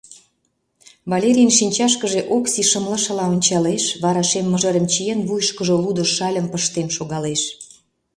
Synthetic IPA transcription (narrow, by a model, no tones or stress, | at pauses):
βɑlʲeɾʲijnʃinʲt͡ɕɑʃkəʒeʔoksiʃəmlə̆ʃə̆lɑonʲt͡ɕɑleʃβɑɾɑʃemːəʒə̆ɾə̆mt͡ɕijenβujʃkəʒolud̪ŏʃɑlʲə̆mpəʃt̪emʃoɣɑleʃ